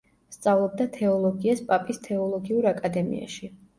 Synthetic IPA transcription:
st̪sʼavlˠɔb̚d̪at̪ʰɛɔlˠɔɡiaspʼapʼist̪ʰɛɔlˠɔɡiuɾakʼad̪ɛmḭa̰ʃi

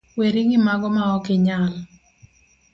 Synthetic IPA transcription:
weɾiŋɪmaɡɔmaɔkɪɲal

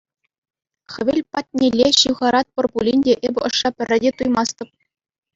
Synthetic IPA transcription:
χʲɘ̆ʋʲɘ̆lʲpɑtʲnʲelʲːeɕɯwʁɑɾɑt̪̚pɤ̆rbulʲinʲdʲeʔebʲɘ̆ɤ̆ʂːɑpʲɘ̆rʲːɘ̆dʲet̪ujmɑst̪ɤ̆p̚

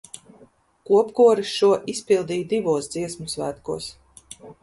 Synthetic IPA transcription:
kuɔpkuɔɾisʃuɔʔispilˠd̪iːd̪ivuɔsd̪ziɛsmusvæːt̪kṵɔs

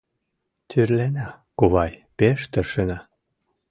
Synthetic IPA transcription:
t̪ʰyrlenɑ | kuβɑjpeʃt̪ə̆ʃənɑ

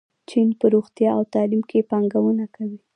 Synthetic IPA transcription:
t͡ʃinpəɾoɣt̪jɑawt̪ɑlimkepɑŋɡawunakawi

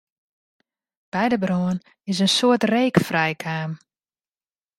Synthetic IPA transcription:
b̥ɛjdəbron | ɪs̬ənsoətreːkfrɛjkʰaːm

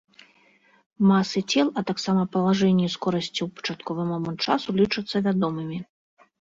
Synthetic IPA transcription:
masɨt͡sʲɛlˠɐt̪aksamɐpɐlˠaʐɛnʲːiskɔɾɐsʲt͡sʲiwpɐ̥t͡ʂat̪kɔvɨmɔmɐnt͡ʂasulʲit͡ʂɨt̪sːɐvʲad̪ɔmɨmʲi

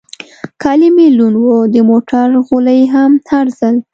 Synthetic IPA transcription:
kʰɑlimilunwod̪əmoʈaɾɣuləjɦamt̪aɾzəl

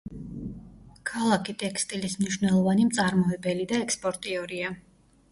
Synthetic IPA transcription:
kʰalˠakʰit̪ʼɛkst̪ʼilismniʃwnɛlˠɔvanimt̪sʼaɾmɔɛbɛlid̪aɛkspʼɔɾt̪ʼiɔɾia

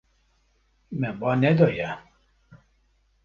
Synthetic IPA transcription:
mɛbɔnɛd̪ɔja

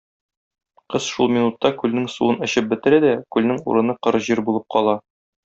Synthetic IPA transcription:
qɤz̥ʃulˠmʲinut̪ːɑkʉlnɘŋsṵɤnɘ̆ɕɘp̚bɘ̆t̪ɘ̆ɾæd̪ækʉlnɘŋṵɾɤ̆nɤqɤ̆ɾɤʑiɾbulˠɤp̚qʰɒlˠɑ

